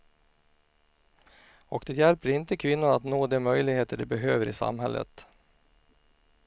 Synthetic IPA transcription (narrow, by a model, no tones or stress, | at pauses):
ɔkd̪ɛjælpəɾɪnt̪əkʰvɪnːʊɳat̪noːd̪ɛmœjlɪɡheːt̪əɖɵbɛɦøːvəɾɪsa̰mɦɛ̰lːʔə̰t̪